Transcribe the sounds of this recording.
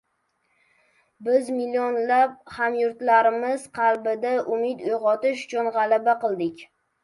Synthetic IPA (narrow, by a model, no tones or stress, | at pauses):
bɪzmilːionlap̚hamjʊɾt̪laɾɪmɪz̥qʰɑlbɪd̪aʔʊmɪd̪ʊjʁɒt̪ɪʃʊ̥t͡ʃʰʊnʁɑlabaqɨlˠd̪ɪkʲ